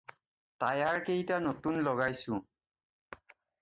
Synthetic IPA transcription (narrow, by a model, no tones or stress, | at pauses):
tajaɹkejtanotunlɔɡajsʊ̃